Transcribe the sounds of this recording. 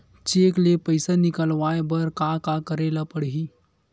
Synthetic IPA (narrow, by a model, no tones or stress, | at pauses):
t͡ʃeːklepəɪsanɪkəlʋaːebəɾkakakəɾeːlapəɽɦi